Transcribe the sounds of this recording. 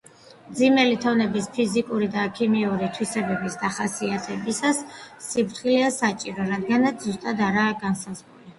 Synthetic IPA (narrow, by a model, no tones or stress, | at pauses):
md̪zimɛlit̪ʰavnɛbispʰizikʼuɾid̪aːkʰimiuɾit̪ʰwisɛbɛbisd̪aχasiat̪ʰɛbisasːipʰɾt̪χiliasat͡ʃʼiɾɔɾad̪ɡanat̪sʰzust̪ʼad̪aɾaːɡansazʁuli